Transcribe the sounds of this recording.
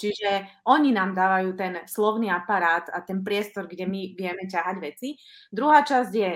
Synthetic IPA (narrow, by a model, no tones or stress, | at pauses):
t͡ʃiʒɛʔɔɲinaːmd̪aːʋajuːt̪ɛnslɔʊniːapaɾaːt̪at̪ɛnpɾɪɛst̪ɔɾɡɟɛmiʋɪɛmɛcaɦaɟʋɛt͡si | d̪ɾuɦaːt͡ʃazɟjɛ